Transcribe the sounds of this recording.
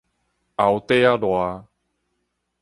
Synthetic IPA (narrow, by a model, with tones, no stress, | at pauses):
a˨wt̪e˦a˦lwa˨˧